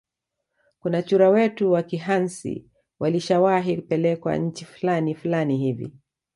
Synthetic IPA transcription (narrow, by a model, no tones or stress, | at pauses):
kunat͡ʃuɾawɛtuwakiɦansḭ | wʔaliʃawaɦikupɛlɛkwa̰ɲ̩t͡ʃifulanifulaniɦivḭ